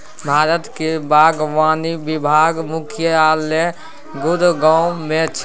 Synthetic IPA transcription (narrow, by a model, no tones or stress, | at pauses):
bʱaːɾət̪kebaːɡʋaːnibibʱaːɡmʊkʰjəaːle | ɡʊd̪ɡaʊmẽt͡ʃʰ